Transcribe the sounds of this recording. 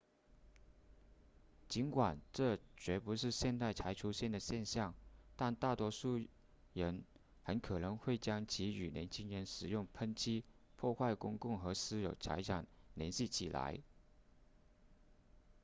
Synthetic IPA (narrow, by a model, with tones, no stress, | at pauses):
t͡ɕi˧˥nkwa˨˩nʈ͡ʂɤ˥˩t͡ɕɥɛ˧˥pu˧˥ʂɻ̩˥˧ɕjɛ˥˧nt̪a˥˩ɪt͡sʰa˧˥ɪʈ͡ʂʰu˥ɕjɛ˥˩nd̪ə˩ɕjɛ˥˧nɕjɑ˥˩ŋt̪a˥˧nt̪a˥˩t̪wɔ˥ʂu˥˩ | ɻə˧˥n | xə˧˥nkʰɤ˨˩nɤ˧˥ŋxwe˥˩ɪt͡ɕjɑ˥ŋt͡ɕʰi˧˥y˨˩ljɛ̰˧˥nt͡ɕʰi˥ŋɻə˧˥nʂɻ̩˨˩jʊ˥˩ŋpʰə˥nt͡ɕʰi˥pʰwɔ˥˧xwa˥˩ɪkʊ˥ŋkʊ˥˩ŋxɤ˧˥sɹ̩˥jo˨˩ʊt͡sʰa̰˧˥ɪʈ͡ʂʰɑ˨˩ŋljɛ̰˧˥nɕi˥˩t͡ɕʰi˨˩la̰˧˥ɪ